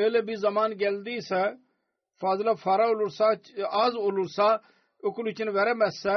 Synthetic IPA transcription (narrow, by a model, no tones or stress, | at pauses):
eːlebiːzəmaːnɡeːld̪iːsɛː | fʰaːzlaːpʰaːɾaːʊlʊɾsaːaːzʊlʊɾsaː | ʊklʊt͡ʃənʋɛːɾɛːmɛsɛː